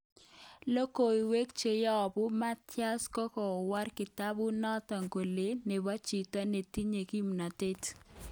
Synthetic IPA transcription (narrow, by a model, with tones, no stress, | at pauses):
lo˦ko˨i˨we˦k̚t͡ʃe˨jɔ˦˨bʊ˦ma˦tja˦skɔ˦kɔ˨wa˦rkɪ˨ta˦bʊ˦nɔ˦ta˨ŋɡo˨le˨˦ne˨ba˦t͡ʃi˨ta˦ne˨ti˦ɲe˨ki˦mna˨te˦t